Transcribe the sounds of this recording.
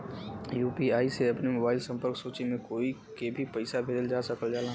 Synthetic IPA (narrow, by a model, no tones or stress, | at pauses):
juːpiaːiseɐpnemobaːɪlsɐ̃mpəɾksoːt͡ʃimẽkoːikebʱipɐɪsabʱeːd̪əld͡ʒaːsəkəld͡ʒaːlãː